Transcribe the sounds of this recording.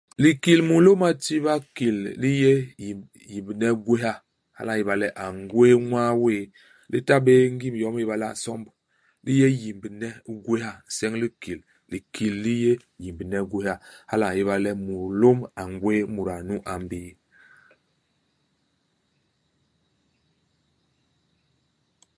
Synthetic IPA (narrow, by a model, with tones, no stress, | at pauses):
li˨ki˨lmu˨lo˦ma˦˨ti˦βa˦ki˨lli˦je˦ji˨ | ji˨mbi˨nɛ˦ɡwe˦ɦa˦ | ha̰˦la˦˨ji˦ba˨lɛ˦ʔa˨ŋɡwe˦ŋwa˦weː˦˨ | li˦ta˦be˦ŋ˦ɡi˦mjɔ˦m˦i˦ba˦la̰˦˨sɔ˦mb | li˦je˦ji˨mbi˨nɛ˦ɡwe˦ha˦˨sɛ˦ŋli˦ki˨l | li˨kʰi˨lːi˦je˦ji˨mbi˨nɛ˦ɡwe˦ha˦ha˦la˨ji˦βa˦˨lɛ˦mu˨ɾlo˦ma˨ŋɡwe˦mu˨ɾa˨nu˦ʔa˨m˦biː˦